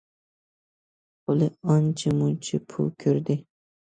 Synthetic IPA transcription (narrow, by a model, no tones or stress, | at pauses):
ʊlɪɑnt͡ʃʰɪmʊt͡ʃʰɪpʰʊ̰lkʲʰɵɾd̪ɪ